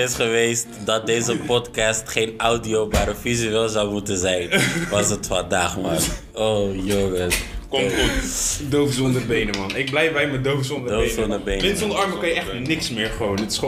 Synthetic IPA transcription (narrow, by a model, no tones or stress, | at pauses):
ɪsχəʋejstdɑt̚dejzəpɔtkɑstχejnawdiowbaːɾəfizyelˠzawmutənzɛjnʋɑs̬ətfɑndaːχman | owjɔŋətkudowfzɔndəbejnəmɑnɪɡ̚blɛjfbɛjmədowfzonədowfsɔndəbejnɪnsɔ̃ndəɑɹməkɑjəɛχnɪksmɪːɹχʋownətɪ̥s